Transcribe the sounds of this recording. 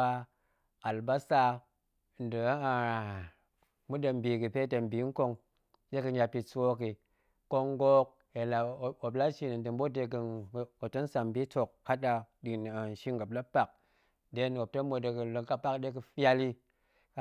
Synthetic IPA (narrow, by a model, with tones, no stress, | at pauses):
a˧ | a˨lba˦sa˧˨ | n̩˨dɨ˨˦a˨ | mu˦de˧m˦bi˨kɨ˨pe˦te˧m̩˨bi˨˦ŋ̩˦ko˧ŋ | ɗe˦kɨ˧ɲa˧pi˧t͡so˦ki˨ | ko˧ŋ˦ɡo˦k̚ | e˨la˨o˨bla˦ʃi˧ni˨n˨dɨ˨m˦bo˦de˧k̬ɨ˧˨o˨to˦n˦sa˨mbi˦to˨kːa˦ɗa˧di˨n˨a˨n̩˨ʃi˦ŋɡa˨bla˦pa˨k̚ | de˦no˨p̚to˦mo˧de˧kɨ˧˨lo˧ŋka˦pa˦kde˦kɨ˧fa˧li˦